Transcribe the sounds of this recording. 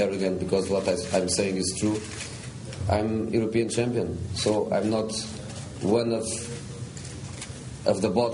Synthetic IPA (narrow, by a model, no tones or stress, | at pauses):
ɛɹɨɡɛ̃ntbɨkɔzwɔt̪aɪãj̃mseɪ̃ŋɪz̥tɹu | ã̰j̃mjuɾopiɨ̃nt͡ʃæ̃mpiə̃nsoã̰j̃mnɔt | wʌ̃nʌv | ʔʌvðəbɔ